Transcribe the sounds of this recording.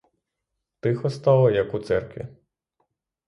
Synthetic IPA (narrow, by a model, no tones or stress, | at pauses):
t̪ɪxɔst̪ɑlˠɔjɐkut̪sɛrkʋʲḭ